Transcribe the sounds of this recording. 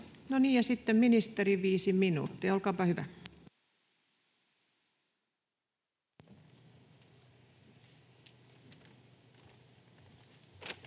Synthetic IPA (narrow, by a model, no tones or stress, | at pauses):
noniːjjɑsit̪ːemminist̪eriʋiːsiminṵːt̪ːijɑolkɑːpɑhyʋæ̰